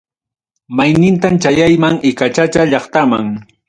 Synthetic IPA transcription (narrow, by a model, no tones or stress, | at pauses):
majnɪnt̪amt͡ʃajajmaŋɪkat͡ʃat͡ʃaʎɑχt̪amaŋ